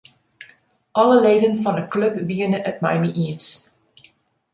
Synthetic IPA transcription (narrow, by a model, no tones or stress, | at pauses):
ʔɑləleːdənfɑnəklɵpʋiənəʔət̚mɛ̰jmiʔiəns